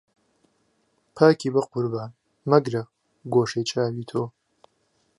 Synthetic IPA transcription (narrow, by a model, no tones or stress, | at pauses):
pʰaːkʰiːbɐqʊɾbaːn | mɐɡɾɐ | ɡoːʃejt͡ʃʼaːwiːt̪ʰoː